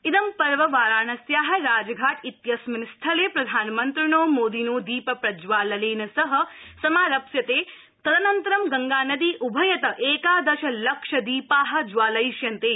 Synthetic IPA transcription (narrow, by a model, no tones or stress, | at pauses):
id̪ɐmpɐɾʋɐʋaːɾaːɳɐsjaːɦɐɾaːd͡ʒɐɡʱaːʈit̪jɐsmɐnist̪ʰɐlepɾɐd̪ʱaːnɐmɐnt̪ɾɪɳoːmoːd̪inoːd̪iːpɐpɾɐd͡ʒʋaːlɐleːnɐsɐɦɐsɐmaːɾɐpsjɐt̪eː | t̪ɐd̪ɐnɐnt̪ɐɾɐmɡɐŋɡaːnɐd̪iːʔubʱɐjɐt̪ɐʔeːkaːd̪ɐʃɐlɐkʂɐd̪iːpaːɦɐ̆d͡ʒʋaːlɐjʃjɐnt̪eː